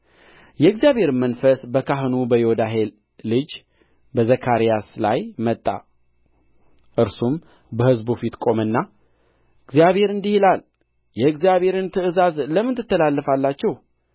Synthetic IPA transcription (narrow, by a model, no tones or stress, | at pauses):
jɛɨɡzijaβhe̞ɾmənfəsbəkʰaɦɨnubəjod̪aɦel | lɨd͡ʒ | bəzəkʰaɾijaslajmət̪ʼːa̰ | ʔɨɾsum | bəhɨzbufit̪kʼo̞mɨnːa | ɨɡzjaβhe̞ɾɨnd̪ihilal | jɛɨɡzjaβhe̞ɾɨnt̪ʰɨʔɨzazləmːɨnt̪ʰːɨt̪ːəlalːəfalːat͡ʃːɛh